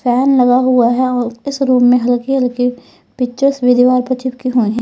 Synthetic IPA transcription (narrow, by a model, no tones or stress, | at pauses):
pʰɛːnlɐɡaɦuaɦɛɔːɾɪsɾuːmːẽɦɐlkiɦɐlki | pɪt͡ʃəsʋɪd̪iʋaːɾpɐt͡ʃɪb̚kiɦuiɦɛ̃